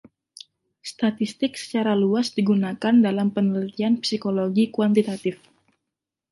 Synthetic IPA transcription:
st̪at̪ist̪ɪk̚sə̥t͡ʃaɾaluasdiɡunakandalampənəlit̪ianpsikoloɡikuwant̪it̪at̪ɪf

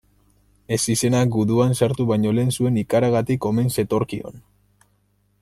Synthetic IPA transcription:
e̞sise̞naɡuðuansaɾt̪uβajɲo̞le̞ːnsue̞nikaɾaɣat̪iko̞me̞nse̞t̪o̞ɾkio̞̰n

